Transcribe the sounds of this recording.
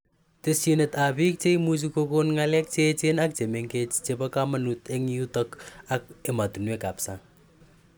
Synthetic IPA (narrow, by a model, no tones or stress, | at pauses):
tesinet̪apik̚t͡ʃeimut͡ʃukokonŋalek̚t͡ʃet͡ʃenak̚t͡ʃemeŋket͡ʃt͡ʃepakamɐnut̪eŋiut̪ɔkak̚emat̪unwekapsa